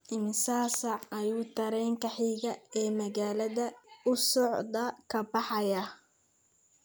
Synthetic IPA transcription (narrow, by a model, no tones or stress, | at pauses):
ʔɪmɪsaːsɐʕɐjuːt̪ʰɐɾɛːŋkʰɐħiːɣɐɛːmɐɣaːlɐðɐʊsɔʕd̪ɐkʰɐbɑħɑjɐ